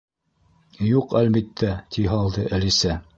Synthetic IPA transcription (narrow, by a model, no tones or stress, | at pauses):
juqælbit̪ʰːæt̪ʰiɦɑlˠd̪ɤʔælisæ